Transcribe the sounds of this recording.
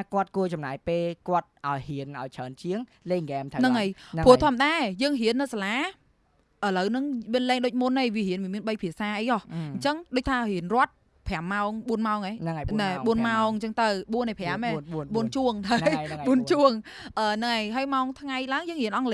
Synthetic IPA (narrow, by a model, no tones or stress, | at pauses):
akŏət̪̚kuət͡ɕɑmna̰ːjpeːlkŏət̪̚ʔaɔjhiənʔaɔjt͡ɕʰəːnt͡ɕiəŋleːŋɡɛːmt̪ʰanɨŋʔəjnpʰuət̪ʰŏəməɗaːjəːŋɦiənːɨwsalaː | ʔələwnɨŋmiənlɛːŋɗoːc̚munːɨjʋiəhiənʋiəmiənɓəjpʰiəsaːʔəjʔɔhɲt͡ɕəŋɗoːc̚t̪ʰaːhiənrŏət̪̚ | pʰɛ̆amːaɔŋɓuənmaɔŋenɨŋnaɓuənmaɔŋɲt͡ɕəŋt̪ɨwɓuənːʔɨjpʰɛaəmeɓuənt͡ɕuəŋt̪ʰəɓuənt͡ɕuəŋ | ʔəːnɨŋʔajɦaəjmaɔŋt̪ʰŋajlaəŋjəːŋhiənʔɑŋle